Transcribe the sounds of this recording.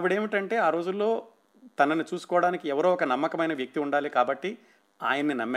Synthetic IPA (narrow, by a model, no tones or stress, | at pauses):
ɐʋiɽeːmiʈɐɳʈe̞ːaːɾo̞ːd͡ʒulːo̞ː | t̪ɐnɐnit͡ʃuːsu̥kɔːɐɽaːnikiɛʋɐɾoːɔkɐnɐmːɐkɐmɐjnɐʋjɐk̚t̪iuɳɖaːlikaːbɐʈːi | aːjɐnːinɐmː